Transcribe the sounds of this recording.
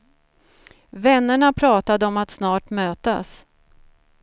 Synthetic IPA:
vɛnːəɳapʰɾɑːt̪ad̪əɔmat̪snɑːʈmøːt̪a̰s

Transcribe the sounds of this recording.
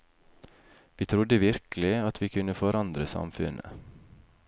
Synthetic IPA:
ʋiːt̪ʰɾʊd̪əʋɪɾklɪɑt̪ʰʋiːkʰʉnəfɔɾʔɑnd̪ɾəsɑ̰mfʉnʔə̰

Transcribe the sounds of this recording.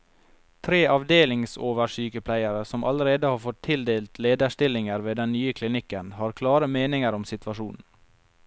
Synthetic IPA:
t̪ʰɾeːʔɑʋd̪eːlɪŋsoːʋəʂyːkəpʰlæɪəɾəsɔmʔɑ̰ləɾeːd̪əhɑːɾfɔt̪ʰːɪld̪eːlt̪ʰleːd̪əʂt̪ɪlɪŋəɾʋeːd̪ɛnnyːəkʰlɪnɪkənhɑːɾkʰlɑːɾəmeːnɪŋəɾɔmsɪt̪ʰʋɑʂuːnn̩

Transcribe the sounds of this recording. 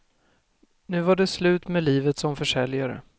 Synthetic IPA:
nʉ̟ːvaɖɛslʉ̟ːt̪mɛliːvət̪sɔmfœʂɛljaɾə̰

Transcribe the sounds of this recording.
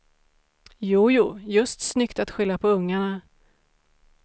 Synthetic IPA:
juːjuːjɵst̪snʏkt̪at̪ɧʏlːapʰɔɵŋːaɳa

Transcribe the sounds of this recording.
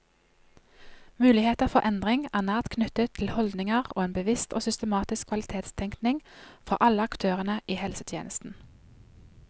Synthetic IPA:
mʉːlɪheːt̪əfɔʁʔɛnd̪ʁɪŋæːnæːt̪kʰnʏt̪ət̪ʰlhɔld̪nɪŋəʁoːeːnbəʋɪst̪oːsʏst̪əmɑːt̪ɪskʰʋɑlɪt̪ʰeːt̪st̪ʰɛŋknɪŋfɔʔɑləɑkt̪ʰøːʁənəʔiːhɛlsət̪ʰjḛːnʔəst̪n̩

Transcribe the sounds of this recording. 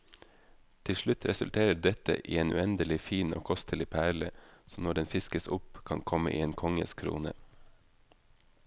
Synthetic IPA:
t̪ʰɪʃlɭʉt̪ʰɾɛsʉ̰lt̪ʰeːɾəɖɛt̪ə̰ʔḭːeːnʉ̰ɛnd̪əlɪfiːno̰ːkʰɔst̪ʰəlɪpʰæɭəsɔmnɔɖɛnfɪskəsʊpkʰɑnkʰɔmə̰ʔḭːeːnkʰɔŋə̰skʰɾṵːnə̰

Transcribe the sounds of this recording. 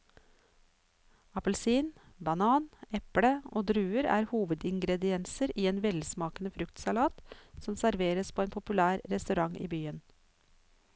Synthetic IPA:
ɑpəlsiːnbɑnɑːnɛpɽəo̰ːd̪ɾʉːəɾæ̰ːɾhuːʋəd̪ɪŋɡɾɛd̪ɪɛnsəɾiːeːnʋɛlsmɑːkənəfɾʉkt̪sɑlɑːt̪sɔmsæɾʋeːɾəspʰoːeːnpʰʊpʉlæːɾɾɛst̪ʉɾɑŋʔḭːbyːən

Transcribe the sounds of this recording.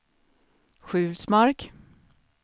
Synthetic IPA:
ɧʉ̟ːlsmaɾk

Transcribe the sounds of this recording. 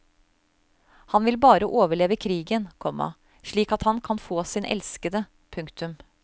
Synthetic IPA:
hɑnʋɪlbɑːɾəʔoːʋəɭeːʋəkʰɾiːɡənkʰɔmɑ̰ | ʂɭiːkɑt̪hɑnkʰɑnfoːsiːnʔɛ̰lskəd̪ə | pʰʉŋkt̪ʉm

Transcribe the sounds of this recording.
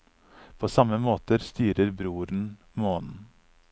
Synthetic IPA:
pʰoːsɑməmoːt̪əɾst̪yːɾəɾbɾuːɾn̩ | moːnn̩

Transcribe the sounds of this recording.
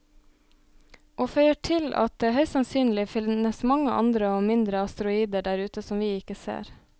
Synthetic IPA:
ʔoːfœʏəʈʰɪlʔɑ̰t̪̚d̪eːhœʏssɑnsyːnlɪfɪnəsmɑŋəʔɑ̰nd̪ɾəoːmɪnd̪ɾəɑst̪əɾʊiːd̪əɖæːɾʉːt̪əsɔmʋiːɪkəsḛːɾ

